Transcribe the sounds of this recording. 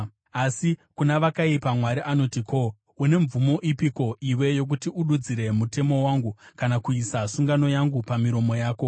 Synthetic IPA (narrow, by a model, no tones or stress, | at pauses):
asikunaʋakaipamwaɾiʔano̞tiko̞ | une̞ɱvumo̞ʔipiko̞ʔiwe̞jo̞k̬utiuɗud͡ziɾe̞mute̞mo̞waːŋɡukanakuisasuŋɡano̞jaŋɡupamiɾo̞mo̞jaːko̞